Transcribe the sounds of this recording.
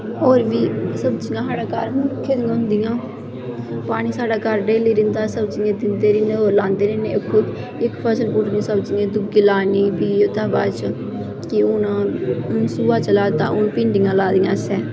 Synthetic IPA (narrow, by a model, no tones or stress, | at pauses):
oːɾʋiːsəbt͡ʃɪjãːɦaːɽaːkaːɾmʊkʰːeːd̪ĩʊnd̪ɪjãː | paːɽ̃iːsaːɖaːkəɾɖeːliːɾɪnd̪aːsəbt͡ʃɪjãːd̪ɪnd̪eːɾɪneːoːɾlãːnd̪eːɾɪːneːkʰːʊd̪ | ɪkpʰəsəlpʊʈnĩsəbd͡ʒɪːãːd̪ʊɡiːlaːniːbiːot̪aːbaːt͡ʃ | kɪʊnãːnsuːaːt͡ʃəlaːt̪a̰ːʊnpɪ̃ːɳɖɪjãːlaːd̪ɪjãːsɛː